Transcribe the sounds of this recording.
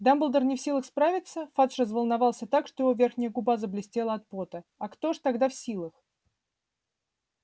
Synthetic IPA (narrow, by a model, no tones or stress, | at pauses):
d̪ambəlˠd̪ərnʲɪfsʲilˠəxspɾavʲɪt̪səfat̪ʂrəzvəlˠnɐvalˠsʲət̪akʂt̪ojɪvovʲe̞rxnʲɪjəɡʊbazəblʲɪsʲtʲelˠəɐt̪̚pot̪əɐkt̪o̞ʐt̪aɡd̪afsʲilˠəx